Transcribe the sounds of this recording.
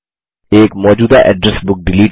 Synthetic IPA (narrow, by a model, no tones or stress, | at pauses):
eːkmɔːd͡ʒuːd̪aʔɛ̰ɖɾɛsbʊk̚ɖɪliːʈ